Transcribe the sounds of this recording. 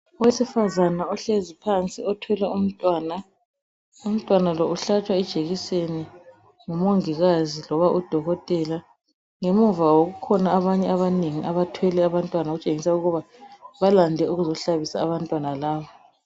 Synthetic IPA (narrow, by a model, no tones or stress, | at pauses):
ɔwesifazanaɔɬezipʰant͡sʼiɔtʰwɛlɛum̩tʼwaːna | um̩tʼwanalɔuɬat͡ʃʼwaɛd̥ʒ̥ʱeɣiseni | ŋumoŋiɣazilɔβaʔud̥ʱɔɣɔtʼɛla | ŋemuɱvawoɣukʰɔnaːβaɲɛaβaneŋiʔaβatʰwɛlɛaβantʼwanaɣut͡ʃʼeŋisauɣuβa | βalandʱɛuɣuzɔɬaβisa̰ːβantʼwanalaːβɔ